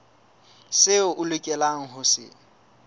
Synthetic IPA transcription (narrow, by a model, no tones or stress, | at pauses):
sɪʊʔʊlʊkʼɛlaŋ̩ɦʊsɪ̰